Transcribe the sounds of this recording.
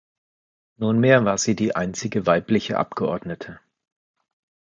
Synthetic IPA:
nuːnmeːɐvaːɐziːdiːʔa̰ɪnt͡sɪɡəvaɪplɪçə̰ʔa̰p̚ɡ̥əʔɔɐdnətʰə

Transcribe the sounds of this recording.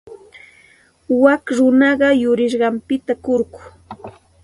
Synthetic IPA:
wakɾʊnɑɢɑjʊɾɪʃ̬ɢɑmpɪt̪akoɾɢʊ̥

